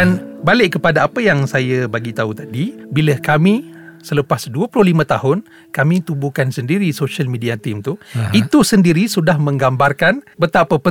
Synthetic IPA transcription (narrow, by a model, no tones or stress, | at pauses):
anbalɪʔkəpadaːpəjaŋsajabaɡit̪aut̪adibiləkamĩsələpasduəpululimãt̪ahʊn | kamĩt̪ubukansəndiɾisoʃalmĩdiat̪imt̪uit̪usəndiɾisudahmə̃ŋɡambarkanbət̪apəpə